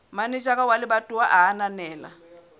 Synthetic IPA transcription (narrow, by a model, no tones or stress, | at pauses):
manit͡ʃʼak̬ʼawalɪɓatʼuwaʔaɦananɛːla̰